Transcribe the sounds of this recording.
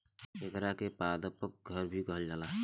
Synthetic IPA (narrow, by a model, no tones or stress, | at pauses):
ekɾakepaːd̪əpək̚ɡʱəɾbʱikəɦəld͡ʒaːla